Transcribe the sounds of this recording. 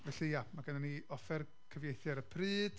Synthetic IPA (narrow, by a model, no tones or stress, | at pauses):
vɛɬijamaɡənaniɔfɛr | kʰəvjejθjaɾəpʰrɨːd̥